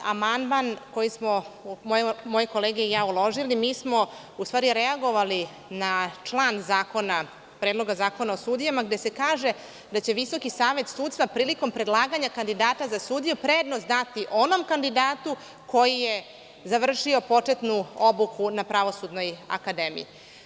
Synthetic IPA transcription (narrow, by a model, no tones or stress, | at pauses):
a̰mand̪manko̞jismomojemojeko̞leːɡeijaːulo̞ʒilimiːsmo̞ | ust̪vaːɾiɾeaɡo̞ʋali | nat͡ʂlˠaːnzaːko̞na | pɾed̪lo̞ɡazaːko̞naosud̪ijamaɡd̪e̞se̞kaːʒe̞ | d̪at͡ɕe̞ʋiso̞kisaːʋe̞t̪suːt̪st̪ʋapɾiːliko̞mpɾe̞d̪lˠaːɡaɲakand̪id̪aːt̪azasuːd̪ijupɾeːd̪nozd̪nat̪iʔo̞no̞mkand̪id̪aːt̪u | ko̞jije | zaʋr̩ʂio̞po̞t͡ʂe̞t̪nuobukʰunapɾaʋo̞sud̪no̞ja̰kad̪emḭjḭ